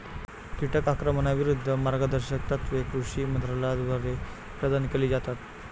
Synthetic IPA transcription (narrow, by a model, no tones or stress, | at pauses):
kiʈəkakɾəməɳaʋiɾud̪ʱːəmaɾɡəd̪əɾɕək̚t̪at̪ʋekɾuʂiːmənt̪ɾalad̪ʋəɾe | pɾəd̪ʱankeliːd͡zat̪at̪